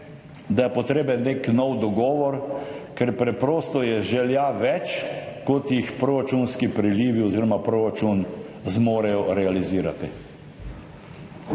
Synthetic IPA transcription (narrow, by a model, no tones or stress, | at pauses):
d̪ajɛpɔt̪ɾeːbɛnːeknɔwd̪ɔɡɔːʋɔɾkɛɾpɾɛpɾoːst̪ɔjɛʒɛljaʋɛt͡ʃkɔt̪jixpɾoɾat͡ʃunskipɾiliːʋiɔziːɾɔmapɾoɾat͡ʃunzmoːɾɛjɔɾɛaliziːɾa̰t̪i